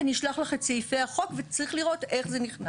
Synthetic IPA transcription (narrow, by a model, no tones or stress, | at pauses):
niʃlaχlaχett͡sejfeaχo̞kvet͡saʁiχliʁo̞te̞χze̞niχna